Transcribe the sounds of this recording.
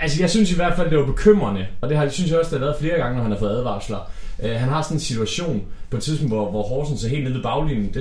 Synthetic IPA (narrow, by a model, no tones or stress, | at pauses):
ælsəjɑ̈ɪsynsiʋæɐ̰d̥fæl̰d̥e̝ʋɑ̈b̥e̝kʰøm̰ʁɐnəɒ̽d̥e̝ɦɑ̈synsjɒ̽sd̥eɑlæːɐð̞̩ˠfle̝ːɐɡ̥ɑ̈ŋənɒhænhɑfɔ̽ð̩ˠæð̞ˠʋɑ̰̥̈slɑ̈øɦænɦɑ̈sɒ̽nensit͡sʰuæɕo̝̰ːnpʰɒ̽et͡sʰiðˠsʰon̩dʋɒʋɒhɒːsn̩sɒɦe̝̰ːlne̝ðˠib̥ɑ̈ʊlinn̩d̥e